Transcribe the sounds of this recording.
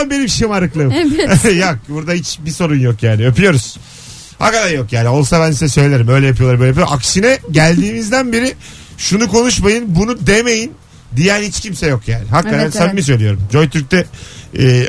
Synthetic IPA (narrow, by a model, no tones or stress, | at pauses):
anbenimʃejimaɾɯklˠamjok̚buɾd̪ahit͡ʃbiso̞ɾunjo̞kjæːniø̞pʰyjo̞ɾuz̥ | ha̰kad̪aɾjo̞kjaːnɪo̞lˠsabænsizɛsø̞jlʲlʲeɾimø̞jlʲɛjapijoɾmøjlejapijo̰ʔaksinɛɟælʲd̪iːmizd̪ænbiɾɪ | ʃunuko̞nuʃmajɯnbunud̪e̞me̞jin | d̪ijænhit͡ʃcʰimsɛjo̞kjaːnɪɦakːaasænmis̬ø̞jlʲijo̞ɾumd͡ʒo̞jt̪ʰyɾc̚t̪ɛː